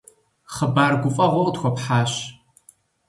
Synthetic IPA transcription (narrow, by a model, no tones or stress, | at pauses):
χəbaːrɡʷʊfʼɐʁʷɔtxʷɔpħaːɕ